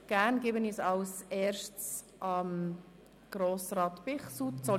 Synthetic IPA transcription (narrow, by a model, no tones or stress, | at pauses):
ɡ̥æːnɡebənisɑwsɛːʃt͡s | ʔɑm | ɡ̥ɾoːsrɑːt̪b̥ɪχsutt͡sɔ